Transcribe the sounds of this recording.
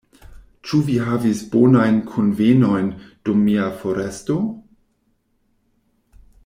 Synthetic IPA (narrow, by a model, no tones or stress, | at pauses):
t͡ʃuviɦavisbonajnkʰonveno̞jnd̥umːiafoɾesto